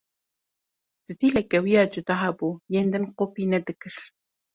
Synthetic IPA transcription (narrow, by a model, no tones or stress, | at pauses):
sɨd̪iːlɛkɛwijɑːd͡ʒʊd̪ɑːɦɑbuːjeːnd̪ɨnqopiːnɛd̪ɨkɨɾ